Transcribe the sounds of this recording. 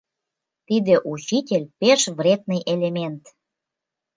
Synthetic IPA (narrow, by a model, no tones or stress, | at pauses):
t̪id̪eʔut͡ɕitʲelʲpeʃvrʲed̪̚nɨjʔelʲemʲent̪